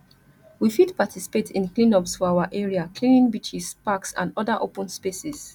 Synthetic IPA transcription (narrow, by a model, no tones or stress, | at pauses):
wifidpatʰisi̥petʰĩnklĩnɔpsfɔaʊaʔɛɹiakʰlĩnĩŋbit͡ʃispaksã̰ndɔðəʔopə̃nspesis